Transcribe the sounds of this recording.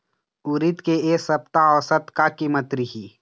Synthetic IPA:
uɾit̪keeːsɐpt̪aɔːsət̪kakiːmət̪ɾiɦi

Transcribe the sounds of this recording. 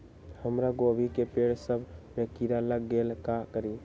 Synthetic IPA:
həmɾaɡobʱikepeɽsəbbekiɾaləɡːelkakəɾi

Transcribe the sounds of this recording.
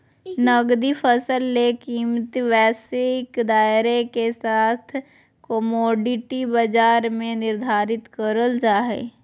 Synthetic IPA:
nəɡd̪ipʰəsəlːekiːmt̪ʋɛːsekd̪aːɪɾekesaːt̪ʰ | kɔmɔːɖɪʈibəd͡ʒaːɾmẽnɪɾd̪ʱaːɾɪt̪kəɾəld͡ʒaːɦḛː

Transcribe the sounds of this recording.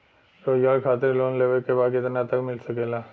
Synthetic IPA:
ɾojaːkʰaːt̪ɪɾloːnleːʋəlkebaːd̪kɪt̪nat̪ɐkmɪlsɐkeːlaː

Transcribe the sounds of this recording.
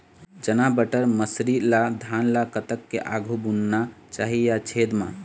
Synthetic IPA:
d͡ʒənabəʈəɾməsɾid̪lad̪ʱanlakət̪əkːeʔaɡʱubunːat͡ʃaɦijat͡ʃʰed̪mã̰

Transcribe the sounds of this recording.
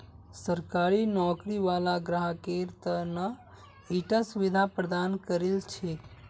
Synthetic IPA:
səɾkaɾinɔkɾiʋalaɡɾəɦəkeɾt̪ənə | iʈasuʋid̪ʱapɾəd̪ankəɾelt͡ʃʰe

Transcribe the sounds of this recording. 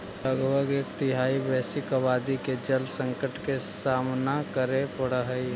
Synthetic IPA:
ləɡbʱəɡekt̪ɪɦaːibɛːsɪkabaːd̪iked͡ʒəlsə̃ŋkəʈkesaːmnakəɾepəɽəɦəi

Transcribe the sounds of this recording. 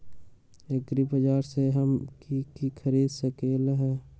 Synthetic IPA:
eɡɾibəd͡ʒaːɾseɦəmkikikʰəɾiːd̪səkeːlɦɛː

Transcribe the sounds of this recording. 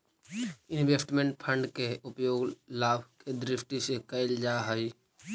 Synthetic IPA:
ɪ̃nʋeːsʈmẽɳʈpʰə̃ɳɖkeʊpjoːɡlaːbʱked̪ɾɪfʈ̪isekəɪld͡ʒaːɦəi

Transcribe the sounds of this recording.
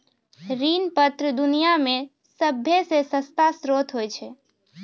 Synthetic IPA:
ɾinpət̪ɾəd̪unijame | səbʱjesesə̃st̪asɾot̪ʰɦojt͡ʃʰe

